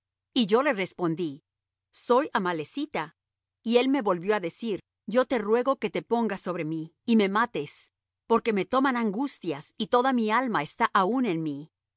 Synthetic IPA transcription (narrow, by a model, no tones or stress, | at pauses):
iʝo̞le̞sre̞spo̞nd̪i | so̞jamale̞sit̪a | ie̞lme̞βo̞lbjo̞aðe̞siɾ | ɟ͡ʝo̞t̪e̞rwe̞ɣo̞ke̞t̪e̞po̞ŋɡasːo̞βɾe̞miː | me̞mat̪e̞s | po̞ɾke̞me̞t̪o̞manaŋɡust̪jasit̪o̞ðamialmaest̪aʔaune̞nmi